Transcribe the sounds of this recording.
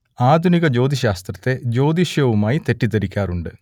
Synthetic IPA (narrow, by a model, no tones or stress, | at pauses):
aːd̪ʱuniɣɐd͡ʑo̞ːd̪ʱiɕaːst̪rɐt̪ːe̞d͡ʑo̞ːd̪iɕjɐʋumaːjit̪e̞ʈːit̪ɐɾikʲːaːruɳɖɨ